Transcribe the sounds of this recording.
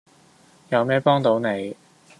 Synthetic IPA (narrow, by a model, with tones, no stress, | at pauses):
jɐ˨˧wmɛː˥pɔː˥ŋt̪o˨˧˥wne˨˧j